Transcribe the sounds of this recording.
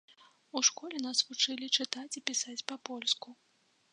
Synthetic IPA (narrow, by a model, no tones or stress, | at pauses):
uʂkɔlʲɛnasvut͡ʂɨlʲit͡ʂɨt̪at͡sʲipʲisat͡sʲpɐpɔlʲsku